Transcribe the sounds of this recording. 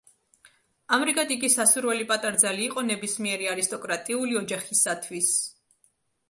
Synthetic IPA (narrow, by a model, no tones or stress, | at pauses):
amɾikʼat̪ʼikʼisːasuɾwɛlipʼat̪ʼaɾd̪zaliːqʼɔnɛbismiɛɾiaɾist̪ʼɔkʼɾat̪ʼiuliɔd͡ʒaχisat̪ʰwis